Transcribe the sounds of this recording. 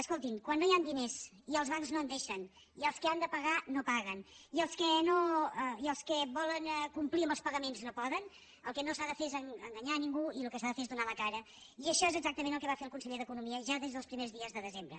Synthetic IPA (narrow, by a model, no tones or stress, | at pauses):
əskolˠt̪imkwanːojand̪inesiəlˠzβaŋznoənd̪eʃən | iəlˠskəand̪əpəɣanopaɣəniəlˠskənoɛiəlˠskəβɔləŋɛkumpliəmbəlˠspəɣəmenznopɔðən | əlˠkɛnosaðəfeezəŋəŋɡəɲaniŋɡuilukəsaðəfeezðunaləkaɾə | iəʃɔezəɡzak̚t̪əmẽnəlˠkɛβafeəlˠkunsəʎeðəkunumiəʒaðezðəlˠspɾimezðiəzðəðəzembɾə